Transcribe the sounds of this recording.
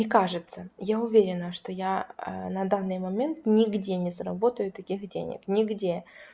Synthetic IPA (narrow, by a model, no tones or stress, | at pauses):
ɪkaʐɨt̪səjaʊvʲeɾʲɪnəʂt̪oja̰nɐd̪anːɨjmɐmʲe̞nt̪nʲɪɡdʲenʲɪsɾɐbo̞t̪əjʊt̪ɐkʲixdʲḛnʲɪ̰knʲɪɡdʲe